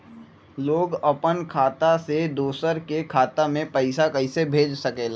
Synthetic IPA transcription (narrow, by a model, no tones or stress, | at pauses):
loːɡɐpənkʰaːt̪ased̪oːsəɾkekʰaːt̪amẽpɐɪsakɐɪsebʱeːd͡ʒsɐkeːlaː